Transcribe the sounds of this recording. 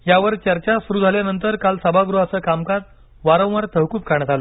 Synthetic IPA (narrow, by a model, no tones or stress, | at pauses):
jaʋəɾt͡ɕəɾt͡ɕasuɾuːd͡zʱaljanənt̪əɾkalsəbʱaɡɾuəsəːkamkaɾ̚ | ʋaɾə̃w̃ʋaɾt̪əɦkuːp̚kaɳ̃ət̪alə